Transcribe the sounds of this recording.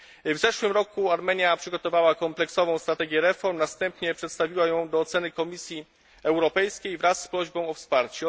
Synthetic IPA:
vzɛʂwɘmɾɔkuaɾmɛɲjapʂɘɡɔt̪ɔvawakɔmplɛksɔvɔ̃w̃st̪ɾat̪ɛɡʲjɛɾɛfɔɾmnast̪ɛmpɲɛpʂɛt̪st̪avʲiwajɔ̃w̃d̪ɔːt̪sɛnɘkɔmʲisʲji | ɛwɾɔpɛjskʲejvɾasːpɾɔʑbɔ̃w̃ɔfspaɾt͡ɕɛ

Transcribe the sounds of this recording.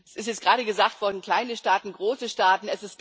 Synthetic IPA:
sʔɪstjɛt͡stɡ̥ʁaːɾəɡəzaːktv̥ɔɐdn̩kʰl̥aɪnəʃtaːtn̩ɡʁoːsəʃtaːtn̩ɛsɪst

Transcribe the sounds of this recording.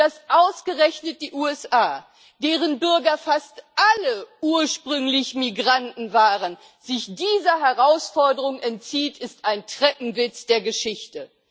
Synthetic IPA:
d̥asʔaʊsɡ̥əʁɛçnət̚d̥iːʔuːɛsʔaː | d̥eːʁ̞ənbʏɐɡɐfastʔaləʔuːɐʃpʁ̥ʏŋlɪçmiɡʁantn̩vaːʁən | zɪçd̥iːzɐɦɛʁaʊsfɔɐdəʁʊŋɛntt͡siːtɪstaɪntʁ̥ɛpm̩vɪt͡sd̥eːɐɡəʃɪçtə

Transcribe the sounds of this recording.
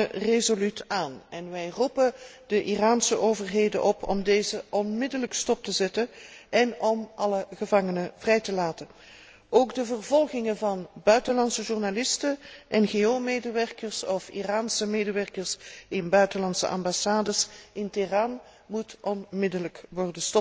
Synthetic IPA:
rezolytaːnɛnʋɛjrupə | d̥əʔiraːnsəʔoːvərɦeːjdə̰nʔɔpʰɔ̰mdeːjzəʔɔnmɪdələkstɔp̚təzɛtənʔɛnɔmʔɑləɣəvɑŋənəv̥rɛjtəlaːtə | ʔoːɡdəvərvɔlˠɣɪŋəvɑnbœɥtənlɑnsəʒurnalɪstəʔɛnɣeːoːmeːdəʋɛrkərsɔfḭraːnsəmeːdəʋɛɹkəɹsɪnbœɥtənlɑntsə̰ʔɑ̰mbasaːdəsɪntiraːn | mutʔɔnmɪdələkʋɔrdənstɔp̚

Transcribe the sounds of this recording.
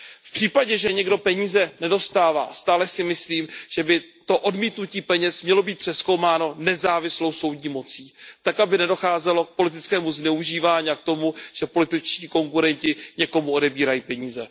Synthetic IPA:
fpr̥iːpaɟɛʒɛɲɛɡdo̞pɛɲiːzɛnɛdo̞st̪aːva̰ːst̪aːlɛsɪmɪsliːmʒ̥ɛbɪt̪o̞ʔo̞dmiːt̪nuciːpɛɲɛsmɲɛlo̞biːt̪pr̥ɛskowmaːno̞nɛzaːvɪslo̞wso̞wdɲiːmo̞t͡siːt̪akabɪnɛdo̞xaːzɛlo̞k̚po̞lɪt̪ɪt͡skɛːmuznɛuʒiːvaːɲiak̚t̪o̞muʒ̥ɛpo̞lɪt̪ɪt͡ʃciːko̞ŋkuɾɛɲcɪɲɛko̞muo̞dɛbiːɾajiːpɛɲiːzɛ

